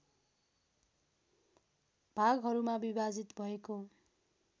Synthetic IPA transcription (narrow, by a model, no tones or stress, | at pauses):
b̥ʱaɡɦʌɾumabibad͡zit̪bʱʌeko